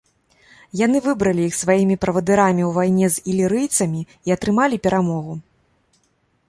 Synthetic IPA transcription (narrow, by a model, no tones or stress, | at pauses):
jan̪ɨvɨbɾɐlʲijixsvajimʲipɾɐvɐd̪ɨɾamʲiwvajnʲɛzilʲiɾɨjt̪sɐmʲi | iɐt̪ɾɨmalʲipʲɛɾʔamɔɣu